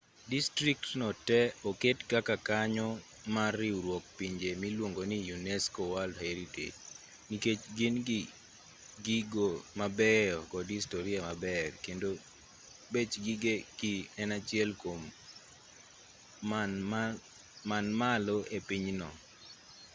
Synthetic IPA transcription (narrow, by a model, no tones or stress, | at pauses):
distɾik̚tnɔtɛɔketkakakaɲɔ | marɪuɾwɔk̚piɲd͡ʒemilwoŋɡonijunɛskowaldheɾitḛd͡ʒ | niket͡ʃɡɪnɡi | ɡiɡomabɛɔkɔdistoɾiamabɛrkendo | bet͡ʃɡiɡeɡ̥iɛnat͡ʃɪɛlkom | manmaloʔepiɲnɔ̰